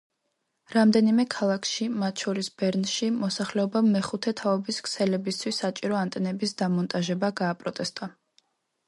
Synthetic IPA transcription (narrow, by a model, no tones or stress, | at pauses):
ɾamd̪ɛnimɛkʰalˠakʰʃimat̪ʰʃɔɾisbɛɾnʃimɔsaχlɛɔbamːɛχut̪ʰɛt̪ʰaɔbiskʰsɛlɛbist̪ʰwisːat͡ʃʼiɾɔant̪ʼɛnɛbisd̪amɔnt̪ʼaʒɛbaɡaːpʼɾɔt̪ʼɛst̪ʼa